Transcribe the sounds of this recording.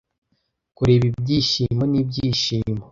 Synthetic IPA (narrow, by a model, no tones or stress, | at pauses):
kuɾe̞ːβibɟiːʃimo̞nib̚ɟiːʃiːmo